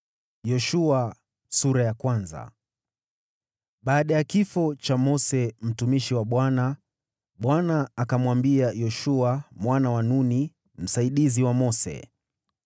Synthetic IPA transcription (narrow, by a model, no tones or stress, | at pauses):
jɔʃua | suɾajakwanza̰ | ɓaːɗajakifɔt͡ʃamɔsɛm̩tumiʃiwaɓwana | ɓwanaːkamwambiajɔʃuamwanawanuni | m̩saiɗiziwamɔsɛ̰